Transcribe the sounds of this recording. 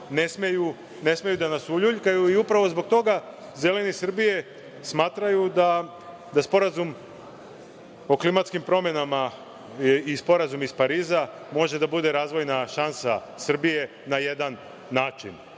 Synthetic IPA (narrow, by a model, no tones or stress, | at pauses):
nesmeju | ne̞smejud̪anasuʎuʎkajuiupɾaʋo̞zbo̞ɡ̚t̪o̞ɡa | ze̞le̞nisr̩bije̞ | smaːt̪ɾajud̪a | d̪aspo̞ɾazum | o̞klimat̪skimpɾo̞mje̞nama | ispo̞ɾazumispaɾiːza | mo̞ʒe̞d̪abud̪e̞ɾaːzʋo̞jnaʃansa | sr̩bije̞ | naje̞d̪anː | aːt͡ʃḭn